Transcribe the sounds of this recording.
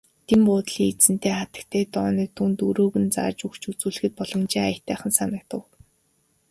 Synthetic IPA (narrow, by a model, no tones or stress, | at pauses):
t̪ʰempʊːt̪ɮiːŋet͡sɘ̆nt̪eːχat̪ə̆kt̪ʰeːt̪ɔːniːt̪ʰunt̪uɾoːɣɘ̆nt͡sa̰ːrt͡ɕukt͡ɕut͡suːɮɘ̆xɘ̆t̪̚pɔɮɞ̆mt͡ɕiːŋajə̆t̪ʰæːχə̆nsanə̆k̚t̪ə̆w